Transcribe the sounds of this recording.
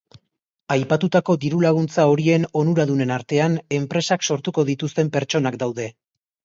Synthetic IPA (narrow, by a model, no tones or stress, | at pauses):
ajpat̪ut̪ako̞d̪iɾulaɣ̞unt͡sao̞ɾie̞no̞nuɾaðune̞naɾt̪e̞ane̞mpɾe̞sakso̞ɾt̪uko̞ð̞it̪ust̪e̞mpe̞ɾt͡ʃo̞nakd̪awðe̞